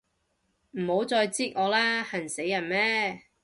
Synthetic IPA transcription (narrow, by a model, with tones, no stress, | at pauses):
m̩ː˨˩ho˨˥wt͡sɔː˧jt͡siː˥t̚ŋɔː˨˧laː˥hɐ˨˩nse˨˥jːɐ˨˩nmɛː˥